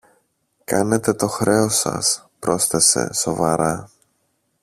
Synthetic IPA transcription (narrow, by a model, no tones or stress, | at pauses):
kɐne̞t̪e̞t̪o̞xɾe̞o̞sɐ̰s | pɾo̞sθe̞se̞̰so̞vɐɾɐ